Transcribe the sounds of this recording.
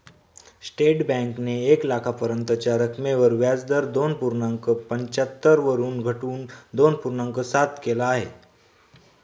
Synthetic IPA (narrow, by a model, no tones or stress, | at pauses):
sʈeʈbɛ̃ŋkneːklakʰapəɾənt̪ət͡ɕaɾəkʰmeʋəɾʋjad͡zd̪əɾd̪onpuɾnãŋkəpəɲt͡ɕət̪ːəɾʋəɾuːnɡʱəʈuːnd̪onpuɾnãŋkəsat̪kelaːɦe